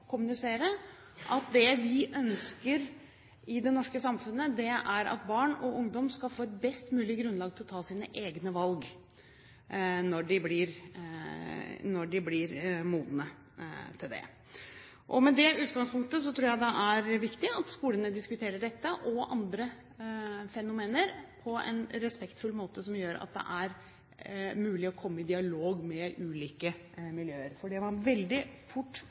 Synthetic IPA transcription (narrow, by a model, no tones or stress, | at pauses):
kʰʊmʉnɪseːɾə | ʔɑt̪̚d̪ɛʋɪʔœnskəɾ | ɪd̪ɛnɔʂkəsɑmfʉnːəd̪ɛʔæɾɑ̰t̪̚bɑːɳɔʔʊŋd̪ɔmskɑlfoːɛt̪̚bɛst̪mʉːlɪɡɾʉnlɑːɡt̪ʰɪlɔt̪ʰɑːsiːnəʔeːɡnəʋɑlɡ | nɔɖɪblɪɾ | nɔɖɪblɪɾmuːd̪nə | t̪ʰɪld̪ɛ̰ | ʔɔmɛd̪ɛʉːt̪ɡɑŋspʰʊŋk̚t̪əs̬ɔt̪ʰɾuːɾjæɪd̪ɛʔæɾʋɪkt̪ɪɑt̪skuːlənəd̪ɪskʉt̪ʰeːɾəɖɛt̪ːəʔɔʔɑ̰nd̪ɾə | fɛnʊmeːnəɾpʰɔɛ̰nɾɛspɛkt̪fʉlːmoːt̪əsɔmjøːɾɑ̰t̪̚d̪ɛ̰ʔæɾ | mʉːlɪɔkʰɔmːəɪd̪ɪɑloːɡmɛʔʉːliːkə | mɪljøːəɾfɔɖɛʋɑnʋɛld̪ɪfʊʈː